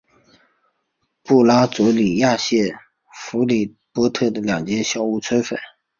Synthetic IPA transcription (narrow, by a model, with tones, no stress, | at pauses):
pu˥˩la˥t͡swɔ˧˥li˨˩ja˥˧ɕjɛ˥˩ | fu˧˥li˨˩ | pwɔ˥t̪ʰɤ˥˩d̪ə˩ljɑ˨˩ŋt͡ɕjɛ˥ɕjɑ˥˧ʊu˥˩t͡sʰwə˥fə̰˨˩˦n